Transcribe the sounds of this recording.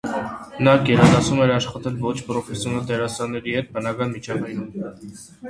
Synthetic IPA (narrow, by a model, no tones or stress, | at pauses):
nɑɡɛɾɑd̪ɑsumɛɾɑʃχɑt̪ɛlvɔt͡ʃʰpɾɔfɛsjɔnɑt̪ɛɾɑsɑnːɛɾihɛt̪̚bənɑkɑnmit͡ʃʰɑvɑjnum